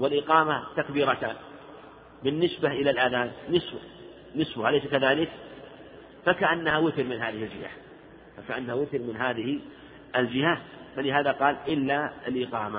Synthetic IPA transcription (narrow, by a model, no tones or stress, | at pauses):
wɪlʔɪqɑːmat̪akbiːɾˤat̪aːn | bɪnːɪsbaʔɪlalʔaðaːnːɪsb | nɪsbʊhalejsakaðaːlɪk | fakaʔanːahawɪθɪɾmɪnɦaːðɪhɪld͡ʒɪha̰ | fakaʔanːahawɪθɪɾmɪnɦaːðɪhi | ʔɪld͡ʒɪhafalɪɦaːðaqɑːlʔɪlːaɪlʔɪqɑːma